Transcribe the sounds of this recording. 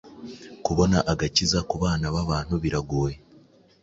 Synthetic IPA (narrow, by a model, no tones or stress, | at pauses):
kuβo̞naʔaɡacizakuβaːnaβaβaːn̥huβiɾaɡuːje